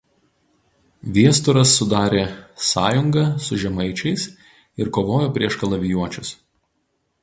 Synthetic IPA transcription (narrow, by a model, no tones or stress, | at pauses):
ʋʲiɛst̪ʊɾɐsːʊd̪ɑːɾʲeːsɑːjʊŋɡɐsʊʒʲɛmɐɪt͡ʃʲɛɪs | ɪɾkoːʋoːjoːpʲɾʲiɛʃkɐlˠɐʋʲɪjuɔt͡ʃʲʊs